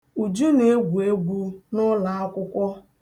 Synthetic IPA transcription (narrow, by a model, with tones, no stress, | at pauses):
u˨d͡ʒu˦ne˨˦ɡʷu˨e˦ɡʷu˦nʊ˦la˨a˦kʷʊ˦kʷɔ˦